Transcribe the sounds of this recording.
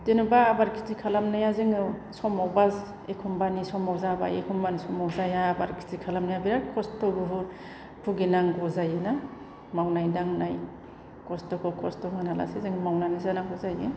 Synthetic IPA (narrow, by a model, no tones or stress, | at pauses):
denubaːbaɾkʰi̥zikʰalamnajazɯŋɯsɔmawbaz | ekʰumbanisɔmawzaba̰jḛkʰumbanisɔmawzajaːbaɾkʰi̥tikʰalamnajabiɾaɾkʰɔstɔbuɦuɾ | pʰuɡinaŋɡɔzajɯna | mawnajdaŋnaj | kɔstɔkʰɔkʰɔstɔŋɯnala̰sezeŋɯmawnanizanaŋɡɔzajɯ